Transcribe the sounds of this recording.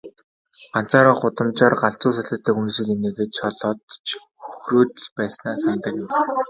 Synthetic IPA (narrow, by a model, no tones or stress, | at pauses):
ɢan̥t͡saːɾaːχʊt̪ə̆mt͡ɕɔːrɢaɬt͡sʊːsaɮə̆t̪ːə̆ːkunʃĭkeneːɣeːt̪t͡ɕɔɮɔːt̪t͡ɕ | xɵxroːt̪ɘ̆ɮpæːsnaːsant̪ə̆kɪ̆m